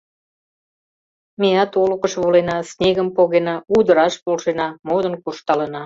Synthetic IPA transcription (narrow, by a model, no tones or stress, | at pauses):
meɑt̪olukəʃβolenɑsnʲeɣəmpoɣenɑud̪əɾɑʃpolʃenɑmod̪ənkurʃt̪ɑlənɑ